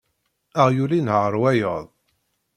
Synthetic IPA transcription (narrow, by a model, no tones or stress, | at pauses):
aʁjulinəɾˤwæjəðˤ